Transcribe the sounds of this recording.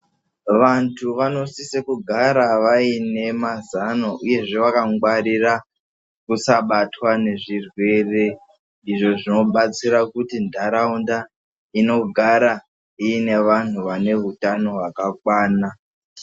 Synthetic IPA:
ʋantʰuʋano̞sisekuɡʱaɾaʋaine̞mazanoʔuje̞ʐe̞ʋakaŋɡwaɾira | kusaɓatwane̞ʐirwe̞re̞ | iʐo̞ʐino̞ɓat͡siɾakutindʱaɾaunda | ino̞ɡʱaɾa | iːne̞ʋan̤uʋane̞ɦutano̞wakak̚waːna

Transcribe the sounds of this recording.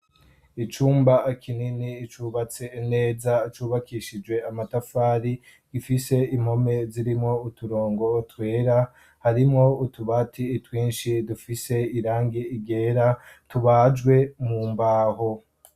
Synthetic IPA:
it͡ʃuːmbaʔːkʰininiːt͡ʃuβat͡se̞ːne̞ːzat͡ʃuβakiʃid͡ʒwe̞amatafaːɾi | ɡ̥ifise̞im̥ho̞me̞ziɾimŋo̞utuɾo̞ːŋɡo̞twe̞ːɾa | haɾimŋo̞utuβatʰiːtwiːnʃidufise̞iɾaːŋɡiiɡe̞ːɾatuβad͡ʒɡwe̞muːmbaːho

